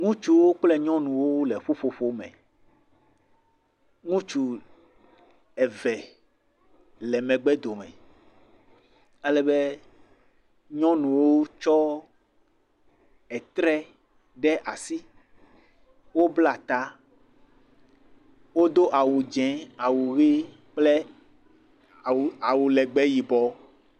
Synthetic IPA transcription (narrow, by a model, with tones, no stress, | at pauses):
ŋũ˦t͡ʃu˦wo˦k͡plɛ˦ɲɔ̃˦nũ˨wo˦le˨ɸo˦ɸo˦ɸo˦mɛ̰̃˨ | ŋũ˦t͡ʃu˨ | ɛ˨vɛ˨ | lɛ˨mɛ̃˨ɡ͡bɛ˦d̪o˨mɛ̰̃˨ | ɛ˦lɛ˨be˦ | ɲɔ̃˦nũ˨wo˦t͡ʃɔ˦ | ɛ˨t̪ɾɛ˦ | ɖɛ˦ʔa˨si˦ | wo˦bla˦˨t̪a˦ | wo˦d̪o˦ʔa˨wu˨d͡ʒɛ̃˨˦a˨wu˨ɣi˦ | k͡ple˦˨ | a˨wu˨lɛ˨ɡ͡bɛ˦ji˨bɔ˨˦